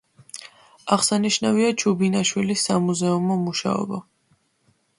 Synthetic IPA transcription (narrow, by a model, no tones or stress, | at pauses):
aʁsaniʃnaviat͡ʃʰubinaʃwilisːamuzɛumɔmuʃa̰ɔ̰bɔ